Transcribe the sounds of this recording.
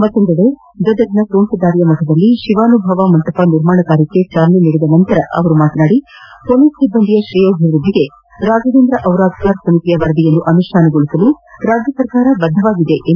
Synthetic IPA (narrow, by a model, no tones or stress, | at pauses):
mɐt̪ːond̪ɐɽe | d̪ɔd̪ɐɾinɐkɾoːɳsɐd̪aːɾijɐmɐk̪ʰɐd̪ɐlːiʃiʋaːnubʱɐʋamɐnt̪ɐpɐniɾmaːɳɐɡaːɾikːet͡ʃaːlniniɽed̪ɐnɐnt̪ɐɾɐʔɐ̰ʋɐɾumaːt̪ɐnaːɽi | konissibːɐnd̪ʱijɐʃɾijoːbʱiʋɾud̪ʱːiɡe | ɾaːd͡ʒɐd̪eːnd̪ɾɐʔɐwɾaːd̪ʱkaːɾsɐmik̪ijɐʋɐɾɐd̪ijɐnːuʔɐnuʂʈʰaːnɐɡoɭisɐluɾaːd͡ʒjɐsɐɾkaːɾɐbɐd̪ʱːɐʋaːɡid̪e̞ʔ